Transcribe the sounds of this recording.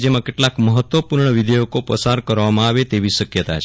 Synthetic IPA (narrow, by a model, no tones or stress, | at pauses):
d͡ʒemãkeʈlakməɦət̪ʋəpuɾɳəʋid̪ʱejokopəsaɾkəɾʋamãaʋet̪eʋiʃəkjət̪at͡ʃʰ